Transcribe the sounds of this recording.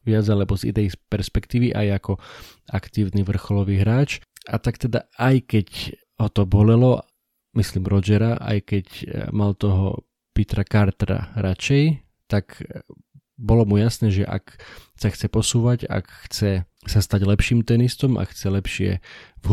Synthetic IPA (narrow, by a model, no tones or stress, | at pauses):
ʋɪad͡zalɛbɔzḭnɛjspɛɾspɛkt̪iːʋiʔa̰jakɔ | akt̪iːʊniʋr̩xɔlɔʋiːɦɾaːt͡ʃ | at̪akt̪ɛd̪aajkɛc | ɦɔt̪ɔbɔlɛlɔ | misliːmɾɔd͡ʒɛɾaʔa̰jkɛcmalt̪ɔɦɔ̰ | pit̪ɾakaɾt̪ɾa̰ɾat͡ʃɛj | t̪ak | bɔlɔmujasnɛːʒɛ̰ʔa̰k | saxt͡sɛpɔsuːʋaɟa̰kxt͡sɛ | sast̪aɟlɛpʃiːmt̪ɛnist̪ɔmʔa̰xt͡sɛlɛpʃɪɛ̰